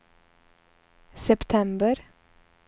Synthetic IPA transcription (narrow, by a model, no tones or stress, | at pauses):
sɛpt̪ʰɛmbəɾ